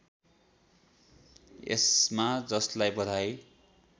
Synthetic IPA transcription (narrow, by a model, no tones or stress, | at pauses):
ḛsmad͡zʌslajbʌd̪ʱaj